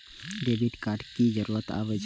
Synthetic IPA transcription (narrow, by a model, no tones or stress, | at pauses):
ɖeʋiɖkaːɾʈkizəɾuːɾət̪a̰ʋəd͡ʒ